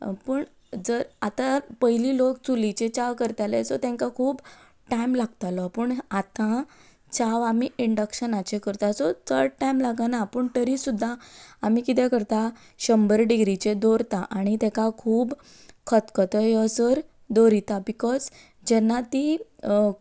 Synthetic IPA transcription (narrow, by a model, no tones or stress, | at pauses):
pəɳ | d͡zəɾat̪apəɦiliːlokt͡sulit͡ɕet͡ɕaʋkəɾt̪jalet͡sɔt̪ɛ̃ŋkakʰuːb | ʈajmlaɡt̪alɔpəːɳat̪ã | t͡ɕaʋamiiɳɖəkɕənat͡ɕekəɾt̪asɔt̪ʰəɾɖʈajmlaɡanapəɳʈəɾisud̪ʱːaːmikit̪ɛ̃kəɾt̪a | ɕəmbəɾɖiɡɾit͡ɕed̪oɾt̪aʔaɽ̃it̪ɛ̃kakʰuːb | kʰət̪kɔt̪əjəsəɾ | d̪oɾit̪abikɔz | d͡ʑɛnːat̪i